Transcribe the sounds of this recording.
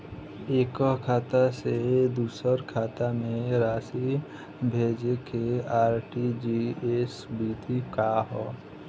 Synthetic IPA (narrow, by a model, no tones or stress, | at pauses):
eːkɔɦkʰaːt̪ased̪uːsəɾkʰaːt̪amẽɾaːsi | bʱeːd͡ʒekeaːɾʈid͡ʒiesbiːt̪ʰikaɦɔː